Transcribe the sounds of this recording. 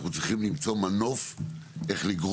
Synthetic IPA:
χut͡sʁiχimlimt͡somanofʔe̞χliɡʁ

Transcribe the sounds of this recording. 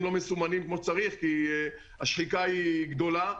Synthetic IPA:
mlo̞mesumanimkmoʃt͡saʁiχki | aʃħikaiɡd̪o̞la

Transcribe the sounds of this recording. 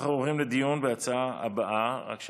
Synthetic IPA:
χavuʁimled̪ijunbeat͡saaa̰baʔaʁa̰kʃ

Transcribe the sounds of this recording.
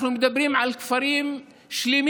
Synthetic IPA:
numd̪abːɪɾiːmʕalkfaɾiːm | ʃliːm

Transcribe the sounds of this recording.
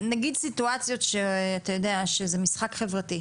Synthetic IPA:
naɡid̪situat͡sjo̞t̪ʃeatajo̞deaʃezemisχakχe̞vʁati

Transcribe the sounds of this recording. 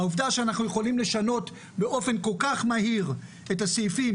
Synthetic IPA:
auvdaʃeanaχnujeχo̞limle̞ʃano̞t | be̞ʔo̞fe̞nko̞lkaχmaɦiʁ | etasefim

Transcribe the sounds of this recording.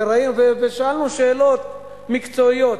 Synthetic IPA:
eɾainuveveʃaalnuʃeːlo̞t̪ | mikt͡so̞ijo̞t

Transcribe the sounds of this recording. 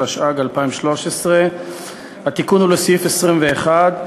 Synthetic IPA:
aʃʔaɡalpaimʃlo̞ʃesʁe | hat̪ikunhulesifesʁimve̞ːχad̪

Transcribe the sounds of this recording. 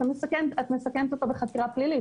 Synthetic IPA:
t̪amesakemtat̪mesakemt̪ot̪abeχat̪iʁaplili

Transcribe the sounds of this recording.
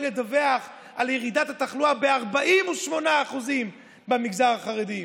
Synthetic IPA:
led̪aveaχ | aljeʁid̪at̪at̪aχluabeaʁbaʔimuʃmo̞naːχuzim | bemiɡzaʁaχaʁed̪i

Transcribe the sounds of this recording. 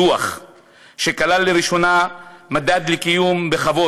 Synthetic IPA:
uaχ | ʃe̞kalalːeʁiʃo̞namad̪ad̪lekijumbe̞χavo̞

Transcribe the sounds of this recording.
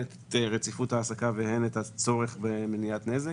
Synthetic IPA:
e | ʁet͡sifuthaːsakavehenethat͡so̞ʁe̞χbemenijatneze

